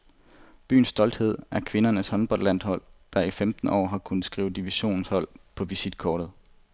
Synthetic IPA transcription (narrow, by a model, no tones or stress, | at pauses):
b̥y̰ːn̩sːd̥ɒ̽ld̥he̝ð̞̰ˠæɐkʰʋe̝nɐnəshɒ̽nb̥ɒl̰d̥læn̰d̥hɒ̽l̰d̥ɑ̈ifemd̥n̩ɒ̰ːɦɑ̈kʰunð̩ˠsɡ̥ʁiːʊd̥iʋiɕo̝̰ːnn̩shɒ̽l̰pʰɒ̽ʋisid̥kʰɒːɾ̥ð̩ˠ